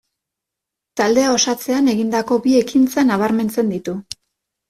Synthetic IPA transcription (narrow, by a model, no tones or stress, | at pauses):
t̪ald̪e̞ao̞sat͡se̞ane̞ɣind̪ako̞bie̞kint͡sanaβ̞aɾme̞nt͡se̞nd̪it̪u